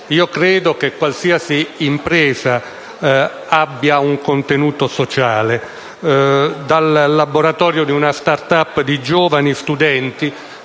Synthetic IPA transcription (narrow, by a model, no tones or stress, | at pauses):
iːokɾɛːd̪okekːwalsiːasiːmpɾɛːza | abːjauŋkont̪enuːt̪osot͡ʃaːle | d̪alːaboɾat̪ɔːɾjod̪iunast̪art̪apːd̪id͡ʒɔːvanist̪ud̪ɛnt̪i